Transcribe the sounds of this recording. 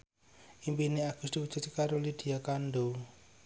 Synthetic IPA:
imbineaɡ̥ustikut͡ʃit͡ʃikaɾolidiakando

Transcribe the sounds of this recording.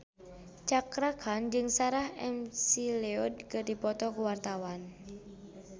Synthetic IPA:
t͡ʃakɾakʰand͡ʒɨŋsaɾahɛ̰msileɔd̚kərdipɔt̪ɔkuwart̪awan

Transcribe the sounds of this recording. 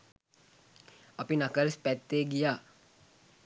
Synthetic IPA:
ɐpinakəɾspɛt̪ːeːɡijaː

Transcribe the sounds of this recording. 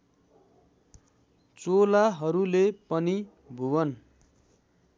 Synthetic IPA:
t͡solaɦʌɾulepʌni | bʱuwʌn

